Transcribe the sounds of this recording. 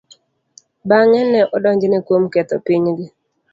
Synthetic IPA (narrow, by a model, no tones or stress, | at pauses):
baŋɛnɛʔɔdɔɲd͡ʒɪnɪkwomkɛt̪ɔ̰piɲɡɪ